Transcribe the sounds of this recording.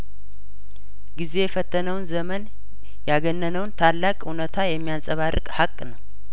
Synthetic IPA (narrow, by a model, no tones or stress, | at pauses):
ɡize̞jɛfət̪ʰːənəwnzəmən | jaɡənːənəwnt̪ʰalːakʼunət̪ʰajɛmːijasʼəβarːɨkʼhakʼːnəw